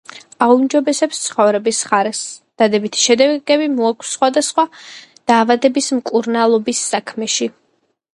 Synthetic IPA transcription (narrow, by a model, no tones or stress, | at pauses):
aumd͡ʒɔbɛsɛpst̪sʰχɔvɾɛbisχaɾɛsd̪̥ad̪ɛbit̪ʰi̥ʃɛd̪ɛɡ̥ɛbimɔakʰsːχwad̪asχwad̪̥aːvad̪ɛbismkʼuɾnalˠɔbisːakʰmɛʃi